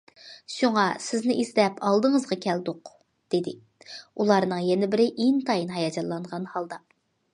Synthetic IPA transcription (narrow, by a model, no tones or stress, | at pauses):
ʃuŋɑsɪznɪʔizlɛpɑlˠd̪ɨŋəzʁɑkʲʰɛld̪ʊq | d̪̥ed̪ɪ | ulˠɑɾnɨŋjɛnɪbɪɾɪʔeŋt̪ʰɑjinɦɑjɑd͡ʒɑlːˠɑɴʁɑnhɑlˠd̪ɑ